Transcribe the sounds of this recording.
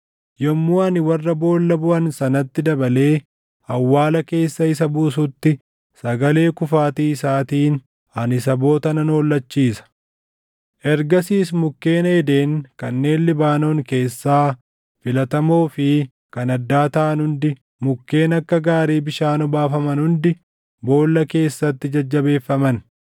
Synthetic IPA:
jɔmːuːɐnɪwɐrːɐbo̞ːlːɐbʊʔɐnsɐnɐt̪ːɪd̪ɐbɐle̞ː | ɐwːaːlɐke̞ːsːɐɪs̬ɐbuːs̬ʊt̪ːɪ | sɐɡɐle̞ːkʊfaːt̪iːɪsaːt̪iːn | ɐnɪsɐbo̞ːt̪ɐnɐno̞ːlːɐt͡ʃːiːsɐ̥ | ʔɛɾɡɐsiːsmʊkːe̞ːnɐɛd̪e̞ːŋkɐnːe̞ːnlɪbaːno̞ːŋke̞ːsːaː | fɪlɐt̪ɐmoːfɪ | kɐnɐd̪ːaːt̪ɐːɐnhʊnd̪ɪ | mʊkːe̞ːnɐkːɐɡaːɾiːbɪʃaːnɔbaːfɐmɐnhʊnd̪ɪ | bo̞ːlːɐke̞ːsːɐt̪ːɪd͡ʒɐd͡ʒːɐbe̞ːfːɐmɐn

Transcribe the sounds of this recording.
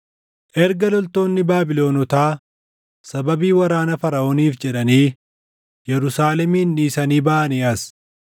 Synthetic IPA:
ʔɛɾɡɐlɔlt̪o̞ːnːɪbaːbɪlo̞ːnɔt̪aː | sɐbɐbiːwɐɾaːnɐfɐɾɐʔoːniːfd͡ʒɛᶑɐniː | jɛɾʊsaːlɛmiːnːiːsɐniːbaːʔɐniːɐs

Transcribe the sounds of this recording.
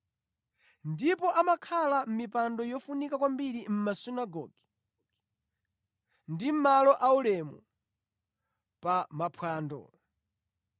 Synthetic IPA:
ndipɔʔamakʰalam̩mipandɔjɔfunikakwambiɾim̩masunaɡɔːɡi | ndim̩malɔʔaulɛmu | pamapʰwaːndɔ̰ː

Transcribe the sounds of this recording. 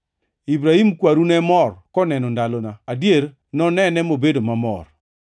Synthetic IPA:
ibɾahimkwaɾunɛmɔrkɔnɛnɔndalɔnaadjeɾ | nɔnɛnɛmobedomamɔ̰r

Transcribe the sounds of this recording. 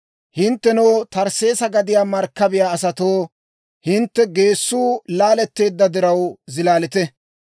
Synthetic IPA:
hɪnt̪ːɛnɔwt̪ɐɾse̞ːsɐɡɐd̪ɪjaːmɐɾkːɐbɪjaːɐsɐt̪oː | hɪnt̪ːɛɡe̞ːsːuːlaːlɛt̪ːe̞ːd̪ːɐd̪ɪɾɐwzɪlaːlɪt̪ɛ

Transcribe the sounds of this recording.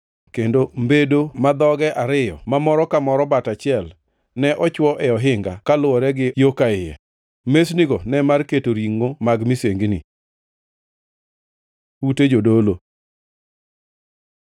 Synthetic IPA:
kendombedomad̪ɔɡɛʔaɾɪjɔ̰mamɔɾɔkamɔɾɔbatat͡ʃɪɛl | nɛʔɔt͡ʃwɔʔɛɔɦɪŋɡa̰kalʊɔɾɛɡɪjokaɪjɛ̰ | mesniɡɔnɛmarketoɾiŋːomaɡmiseŋɡni | uted͡ʒodolo

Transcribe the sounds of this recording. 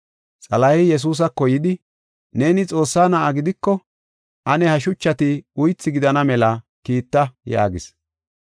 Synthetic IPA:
t͡sʼɐlɐhɪjɛs̬uːs̬ɐkɔjɪd̪ɪ | ne̞ːnɪt͡sʼo̞ːsːaːnɐʔɐɡɪd̪ɪkːɔ | ʔɐnɛhɐʃ̬ʊt͡ʃːɐt̪ɪʊjt͡sːɪɡɪd̪ɐnɐmɛlɐ | kiːt̪ːɐja̰ːɡɪs

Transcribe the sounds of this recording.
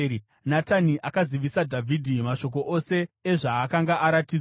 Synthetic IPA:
nataniʔakaziʋisadʱavʱidʱimaʃo̞k̬o̞ʔo̞se̞ːʐaːkaŋɡaʔaɾatid͡z

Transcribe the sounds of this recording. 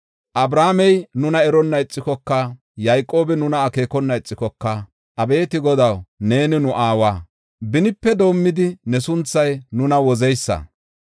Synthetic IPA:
ʔɐbɾaːmɛjnʊnɐɛɾɔnːɐɪt͡sʼːɪkɔkːɐ | jajkʼo̞ːbɛnʊnɐːke̞ːkɔnːɐɪt͡sʼːɪkɔkːɐ | ʔɐbe̞ːt̪ɪɡɔd̪ɐwne̞ːnɪnʊʔaːwaː | bɪnɪpːɛd̪o̞ːmːɪd̪ɪnɛsʊnt͡sːɐjnʊnɐwɔzɛjsːɐ̰

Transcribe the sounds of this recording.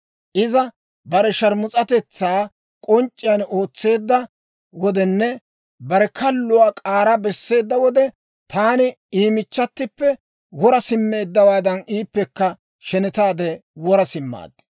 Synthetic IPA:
ʔɪzɐ | bɐɾɛʃɐɾmʊt͡sʼɐt̪ɛt͡sːaː | kʼɔnt͡ʃʼːɪjɐno̞ːt͡sːe̞ːd̪ːɐ | wɔd̪ɛnːɛ | bɐɾɛkʰɐlːʊwaːkʼaːɾɐbɛsːe̞ːd̪ːɐwɔd̪ɛ | t̪aːnɪ | iːmɪt͡ʃːɐt̪ːɪpːɛ | wɔɾɐsɪmːe̞ːd̪ːɐwaːd̪ɐniːpːɛkːɐ | ʃɛnɪt̪aːd̪ɛwɔɾɐsɪmːa̰ːd̪ː

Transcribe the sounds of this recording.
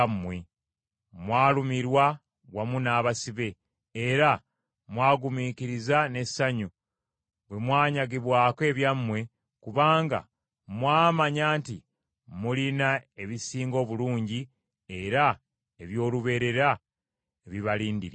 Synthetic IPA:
we | mwaːlumiɾwa | ɡwamunaːβasiβe̞ː | ɾa | mwaːɡumiːkiɾizane̞saɲu | βwe̞mwaːɲaɡiβwaːke̞ːβjamːwe̞ | kuβaːŋɡa̰ | mwaːmaɲaːnti | mulinae̞βisiːŋɡo̞ːβuluːɲɟi | e̞ɾa | e̞βjo̞ːluβe̞ɾe̞ɾa | eβiβaliːndiɾ

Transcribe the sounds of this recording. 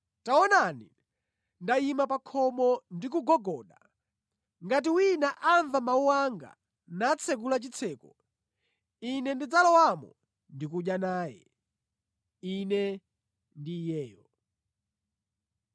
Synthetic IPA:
taɔnanḭ | ndajimapakʰɔmɔndik̬uɡɔɡɔːɗa | ŋɡat̬iwinaʔaɱvamauwaŋɡa̰ | nat͡sʰɛk̬ulat͡ʃit͡sʰɛːkɔ | inɛndid͡zalɔwamɔ̰ | ndikuɗjanaːjɛ̰ | inɛ | ndijɛːjɔ

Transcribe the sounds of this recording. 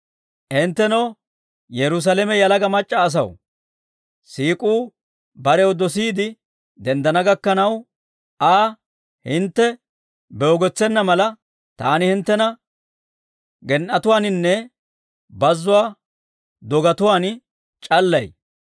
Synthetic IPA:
ʔɪnt̪ːɛnɐw | jɛɾʊs̬alɛmɛjɐlɐɡɐmɐt͡ʃʼːɐːs̬ɐw | siːkʼuː | bɐɾɛwd̪ɔs̬iːd̪ɪ | d̪ɛnd̪ɐnɐɡɐkːɐnɐw | ʔaː | hɪnt̪ːɛ | bɛɔɡɔt͡sːɛnːɐmɐlɐ | t̪aːnɪhɪnt̪ːɛnɐ | ɡɛnʔɐt̪ʊwaːnɪnːɛ | bɐzːʊwaː | d̪ɔɡɐt̪ʊwaːn | t͡ʃʼɐlːɐj

